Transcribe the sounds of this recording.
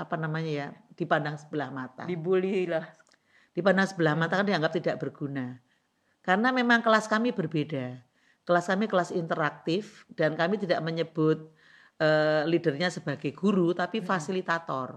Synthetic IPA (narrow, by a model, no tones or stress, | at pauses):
apanamaɲajad̥ipandaŋsə̥b̥əlahmat̪a̰dibulilah | d̥ipandaŋsəbəlahmat̪akandiaŋɡap̚t̪idaʔb̥ərɡ̥una | kaɾənamemaŋkəlaskamibərbeda | kəlaskamikəlasint̪əɾak̚t̪ɪfd̥ankamit̪idaʔməɲəb̥ʊt̪̚ | ʔəːlidərɲasəbaɡajɡ̥uɾut̪apifasilit̪at̪ɔr